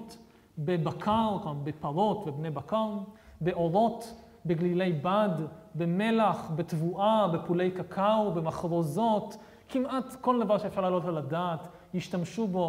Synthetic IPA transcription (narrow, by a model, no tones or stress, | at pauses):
t | bebakʰaʁkbepaʁo̞tvebne̞jbakaʁbe̞ʔo̞ʁo̞t | beɡlile̞jbadbeme̞laχbet̪vuʔabepule̞jkakʰawbe̞maχʁo̞zo̞t | kimʔatko̞ld̪avaʁʃeːfʃaʁlalotaladaːt | jiʃtamʃubo̞